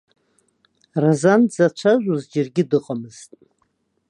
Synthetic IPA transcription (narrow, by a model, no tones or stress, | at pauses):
razanzat͡ʃʷʰaʒʷuzd͡ʒɪrɡʲɪdɨqʼamɨz̥tʼ